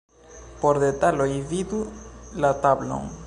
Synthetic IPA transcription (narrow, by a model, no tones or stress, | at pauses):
poɾðet̪aloiβiðulat̪aβlo̰ŋ